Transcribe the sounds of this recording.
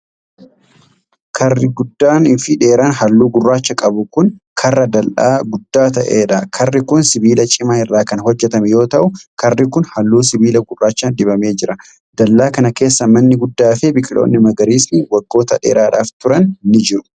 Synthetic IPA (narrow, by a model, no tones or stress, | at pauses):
kʰɐrːɪɡʊd̪ːaːnɪnfɪᶑeːɾaːnhɐlːuːɡʊrːaːt͡ʃːɐkʼɐbʊkʊn | kʰɐrːɐd̪ɐlʔaːɡʊd̪ːaːt̪ɐʔeːᶑɐkʰɐrːɪkʊnsɪbiːlɐt͡ʃʼɪmɐhɪrːaːkɐnhɔd͡ʒːɛt̪ɐmɛjo̞ːt̪ɐʔʊkɐrːɪkʊnhɐlːuːsɪbiːlɐɡʊrːaːt͡ʃːaːnd̪ɪbɐme̞ːd͡ʒɪɾɐ | d̪̥ɐlːaːkɐnɐke̞ːsːɐmɐnːɪɡʊd̪ːaːfɛbɪkʼɪlo̞̰ːnːɪmɐɡɐɾiːsnɪwɐɡːo̞ːt̪ɐᶑḛːɾaːᶑaːft̪ʊɾɐnnːɪd͡ʒɪɾʊ̥